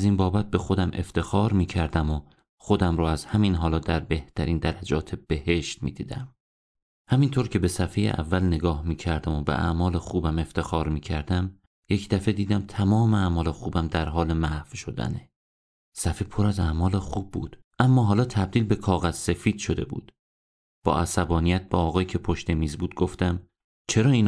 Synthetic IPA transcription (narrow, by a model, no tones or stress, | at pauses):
æzinbɒːbæt̪̚be̞xo̞d̪æmʔe̞ft̪ʰe̞xɒːɾmiːcʰæɾd̪æmo | xo̞d̪æmɾuːæz̥hæminɦɒːlɒːd̪æɾbe̞ht̪ʰæɾiːnd̪æɾæd͡ʒɒːt̪ʰeb̥e̞he̞ʃt̪mḭːd̪̥iːd̪æ̰m | hæmint̪ʰoːɾcʰe̞be̞sæfejḛʔæ̰vːælneɡɒːhmiːcʰæɾd̪æmo̞bḛʔæ̰mɒːlexuːbæme̞ft̪ʰe̞xɒːɾmiːcʰæɾd̪æm | je̞cʰd̪æfed̪iːd̪æmt̪ʰæmɒːmeæːmɒːlexuːbæmd̪æɾɦɒːle̞mæhv̥ʃo̞d̪æ̰ne | sæfipʰo̞ɾæzæːmɒːlexuːbːṵːd̪̥ | ʔæmːɒːɦɒːlɒːt̪ʰæb̚d̪iːlbe̞kʰɒːɣæz̥se̞fiːd̪̥ʃo̞d̪e̞̰bṵːd̪̥ | b̥ɒ̰ːæsæbɒːnijæt̪̚b̥eɒːɣɒːjcʰe̞pʰo̞ʃt̪e̞miːzbuːd̪̚ɡo̞ft̪æm | t͡ʃʰe̞ɾɒːiːn